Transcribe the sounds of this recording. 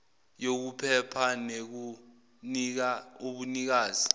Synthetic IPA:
jok̬upʰɛpʰanek̬u | nk̬aoɓunik̬aːzi

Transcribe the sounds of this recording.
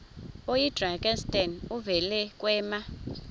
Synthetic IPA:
ojid̥raŋkʼɛnstʼɛnuvɛlɛkʼwɛːma

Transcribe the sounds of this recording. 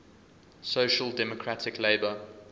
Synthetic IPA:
soʃəldɛmɔkʰɹatʰɪkleɪbə

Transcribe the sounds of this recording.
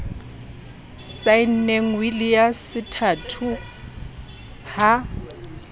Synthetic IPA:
sajn̩neŋ̩wilɪjasɪtʰaːtʰʊ | ha

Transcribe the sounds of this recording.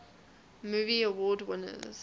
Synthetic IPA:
muːviəwɔːdwɪ̃nə̰z̥

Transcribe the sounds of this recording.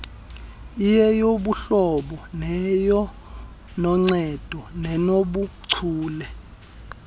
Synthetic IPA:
ijɛjoɓuɬɔɓɔnɛjɔ | nɔŋ͡ǀɛd̥ʱɔnɛnoɓuǀʰuːlɛ

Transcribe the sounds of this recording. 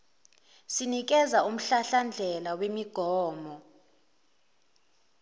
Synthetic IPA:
sinik̬ɛzaum̩ɬaɬand͡ɮʱɛlawemiɡ̥ʱɔːmɔ

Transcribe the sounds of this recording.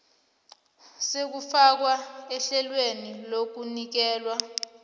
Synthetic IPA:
sek̬ufak̬waɛɬɛlwenilok̬unik̬ɛːlwa

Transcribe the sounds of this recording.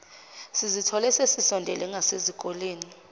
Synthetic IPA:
sizitʰɔlɛsesisɔndʱɛlɛŋɡʱasezikʼɔleːni

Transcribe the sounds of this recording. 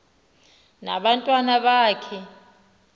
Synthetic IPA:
na̰ɓantʼwanaɓaːkʰɛ

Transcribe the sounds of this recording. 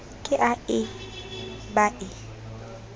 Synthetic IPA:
kʼɪʔaɪ | baʔɪ

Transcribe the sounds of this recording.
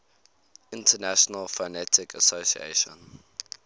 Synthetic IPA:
ɪ̃ntʰənæʃɔnəlfonɛtʰɪkʰəsosḭḛʃə̰̃n

